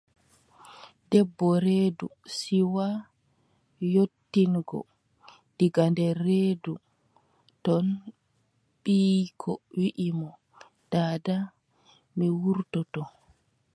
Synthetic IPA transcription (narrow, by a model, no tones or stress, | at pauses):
dɛbːɔɾedṵsiwa | jotːinɡɔ̰ | d̥iɡandɛrːedu | tɔn | ɓiːkʰɔwiʔimɔ | d̥aːda | miwuɾtɔtɔ